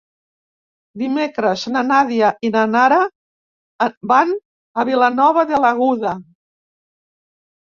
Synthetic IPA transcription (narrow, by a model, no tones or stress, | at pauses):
d̪imekɾəznanaðiaʔinanaɾa | ban | əβilanɔβ̞əðələɣuða